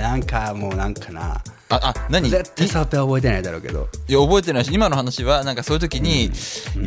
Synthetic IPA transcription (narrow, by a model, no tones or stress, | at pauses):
nãŋkʰamoːnãŋkʰana̰ | aʔanaɲ̟izet̪ːaisot̪ːeaobo̞et̪̬e̞naid̪aɾo̞̰ːke̞̰d̪o̰jaobo̞e̞t̪̬e̞naiɕiimano̞hanaɕiβanãŋkasoːjɯ̟t̪o̞kʲiɲ̟i